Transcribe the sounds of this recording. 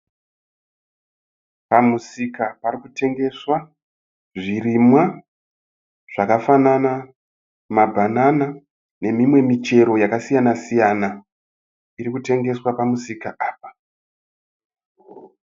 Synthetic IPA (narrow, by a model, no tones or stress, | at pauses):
pamusikapaɾikute̞ŋɡe̞swa | ʐirimwa | ʐ̥akafanana | mabʱanana | ne̞mimwe̞mit͡ʃe̞ɾo̞jakasijanasijana | iɾikute̞ŋɡe̞swapamusikaʔaːpḁ